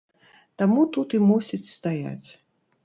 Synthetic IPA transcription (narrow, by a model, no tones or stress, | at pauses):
t̪amut̪ut̪imusʲit͡sʲst̪aja̰t͡sʲ